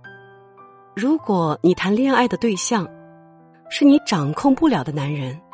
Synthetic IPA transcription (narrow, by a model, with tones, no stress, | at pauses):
ɻu˧˥kwɔ˨˩ni˨˩t̪ʰa˧˥nlji˥˧ŋa˥˩ɪd̪ə˩t̪we˥˧ɪɕjɑ˥˩ŋ | ʂɻ̩˥˩ni˧˥ʈ͡ʂɑ˨˩ŋkʰʊ˥˧ŋpu˥˩ljɑ˨˩d̪ə˦na˧˥nɻə˧˥n